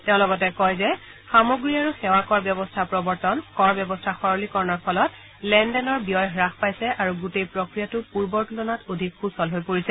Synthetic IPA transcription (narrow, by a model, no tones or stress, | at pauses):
teʊ̃lɔɡɔt̬ɛkɔjzɛ | xamoɡɹiaɹuxɛwakɔɹbjɔbɔstʰapɹɔbɔɹtɔnkɔɹbjɔbɔstʰaxɔɹɔlikɔɹnɔɹpʰɔlɔt | lɛndɛnɔɹbijɔjɦɹaxpajsɛʔaɹuɡutejpɹokɹijatʊpuɹbɔɹkulɔnatodʱikxusɔlɦojpoɹisɛ